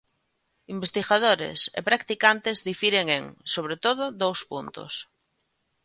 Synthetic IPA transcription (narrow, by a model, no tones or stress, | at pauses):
imbest̪iɣað̞oɾḛsḛpɾakt̪ikant̪ezðifiɾeŋeŋsoβ̞ɾet̪oðoðowspunt̪o̰s